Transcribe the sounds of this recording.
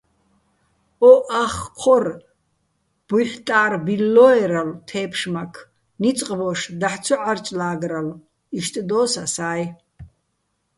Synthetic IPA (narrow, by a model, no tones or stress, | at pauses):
ɔʔaχqʰɔr | b̥ujħt̪ʼaːrbilːɔɛɾalt̪ʰɛːpʰʂmakʰ | nit͡sʼqʼbɔʂd̪aħt͡sʰɔʕart͡ʃʼlaːɡral | iʃt̪ʼd̪ɔːsasaːj